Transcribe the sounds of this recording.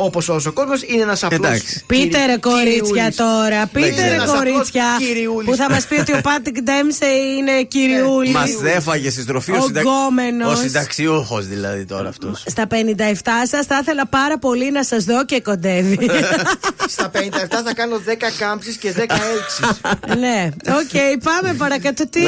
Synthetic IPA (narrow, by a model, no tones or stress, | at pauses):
opososokozmosineenɐsɐd̪ɐ̰kspit̪eɾɐko̞ɾit͡sçɐt̪o̞ɾɐpit̪eɾekoɾit͡sçɐiɾiulpuθɐmɐspio̞t̪io̞pɐt̪ikd̪emseine̞ciɾiulimɐsefɐʝest̪ist̪ɾofiosd̪ɐɡome̞nosid̪ɐksiuxo̰zðilɐ̰ðḭt̪o̞̰ɾɐ̰ːft̪osst̪ɐpe̞nind̪ɐeft̪ɐsɐsθɐθe̞lɐpɐɾɐpo̞linɐsɐzðo̞ceko̞nd̪e̞vi | st̪ɐpenind̪ɐeft̪ɐθɐkɐnoðekɐkɐmpsisceðekɐeksisneoce̞ipɐmepɐɾɐkɐt̪ot̪i